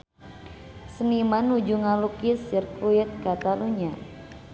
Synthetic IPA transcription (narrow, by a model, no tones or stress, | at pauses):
sənimanud͡ʒuŋalukɪsjərkɾuɛt̪̚kat̪aluɲa